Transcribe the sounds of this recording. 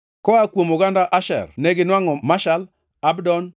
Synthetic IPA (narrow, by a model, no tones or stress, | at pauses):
kɔakwomoɡandaʔaʃɛ̰rneɡɪnwaŋɔmaʃal | abdɔn